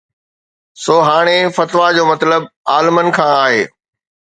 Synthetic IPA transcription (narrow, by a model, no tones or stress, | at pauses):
soːɦaːɽ̃efɐt̪ʋad͡ʑoːmɐt̪ləb̚aːlmənɪ̆kʰãːaːɦeː